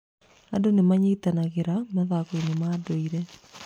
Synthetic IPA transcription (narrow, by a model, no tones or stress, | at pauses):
andonemaɲeitanaɣeɾamaðakoinemaːdoiɾɛ